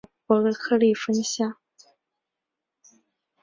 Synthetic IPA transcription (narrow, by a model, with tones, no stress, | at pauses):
pwɔ˧˥d̪ə˧kʰɤ˥˧li˥˩fə˥ŋɕja˥˩